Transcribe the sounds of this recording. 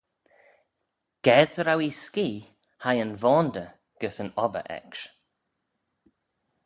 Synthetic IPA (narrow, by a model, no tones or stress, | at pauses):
ɡ̥ɛzəɾawiskiː | hajənvɔːnd̪ə | ɡ̥əsənɔvə̰ʔɛ̰kʃ